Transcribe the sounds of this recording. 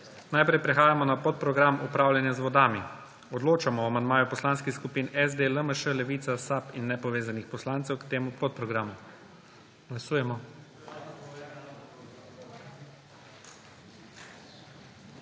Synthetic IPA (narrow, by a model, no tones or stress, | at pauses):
najpɾɛjpɾɛxaːjamɔnapɔt̪̚pɾɔɡɾamʔupɾaːwlʲjanjazʋɔd̪aːmi | ɔd̪loːt͡ʃamɔamand̪maːjupɔslaːnskixskupiːnɛzd̪eləməʃəlɛʋit̪sasapinːɛpɔʋeːzanixpɔslaːnt̪sɛwkt̪eːmupɔt̪̚pɾɔɡɾaːmu | ɡ̥lasuːjɛmɔ